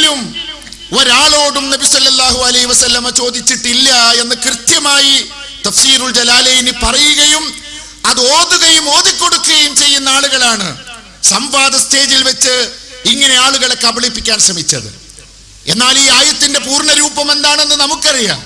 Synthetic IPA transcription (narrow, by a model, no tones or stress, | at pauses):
lum | o̞ɾaːɭo̞ːɽumnɐbisɐlːɐlːaːhuɐlɐhiʋɐsɐlːɐmɐt͡ɕo̞ːd̪it͡ɕːiʈːilːɐe̞nːɨkrɨt̪jɐmaːji | t̪ɐfsiːɾuld͡ʑɐlaːlɐjinipɐrɐjuɣɐjum | ɐðoːðuɣɐjumo̞ːðikʲːo̞ɽukːuɣɐjumt͡ɕe̞jːunːɐaːɭuɣɐɭaːɳɨ | sɐmʋaːd̪ɐst̪ʰe̞ːðilʋet͡ɕːɨiŋːɐne̞aːɭuɣɐɭekːɐbɐɭipːikʲːaːnʂrɐmit͡ɕʲːɐðɨ̰ | enːaːliːaːjɐt̪ːindepuːrɳɐɾuːbɐme̞nd̪aːɳe̞nːɨnɐmukːɨɐrija̰ːm